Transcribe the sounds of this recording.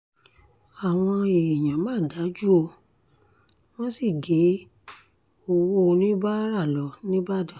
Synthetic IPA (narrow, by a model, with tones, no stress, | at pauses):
a˨w̃ɔ̃˧e˨j̃ã˨mãː˨˦˨da˨˦d͡ʒu˦o˧ | w̃ɔ̃˦si˦˨ɡe˨˦ | o˧wo˦o˧nĩ˦ba˦ɾa˦˨lɔ˨˦nĩ˦ba˦˨da˦˨